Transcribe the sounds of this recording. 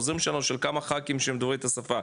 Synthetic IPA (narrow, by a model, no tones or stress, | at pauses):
zimʃanoʃelkamaχakimʃemd̪oʁit̪asafa